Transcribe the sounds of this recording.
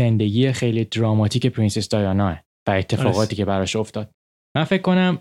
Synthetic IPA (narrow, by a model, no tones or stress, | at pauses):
end̪e̞ɡiːexejlid̪ɾɒːmɒt̪ʰiːce̞pʰɾinsesd̪̥ɒjɒnɒːe | væe̞t̪ʰːe̞fɒːɣɒːt̪ʰiːcʰe̞bæɾɒʃo̞ft̪ɒːd̪̥̚ | mænfe̞cʰkːo̞næm